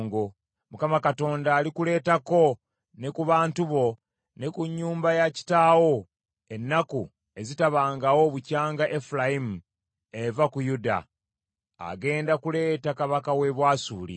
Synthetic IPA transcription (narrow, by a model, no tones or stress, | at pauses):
ŋɡo | mukamakato̞ːndaːlikule̞ːtako̞ | nekuβaːntuβo̞ | ne̞kuɲːuːmbajaci̥taːwo̞ | e̞nːaku | e̞zitaβaːŋɡawoβucaːŋɡaʔefulajimu | e̞vakujuda̰ː | ɡe̞ːndakule̞ːtakaβakawe̞βwaːsuːlḭ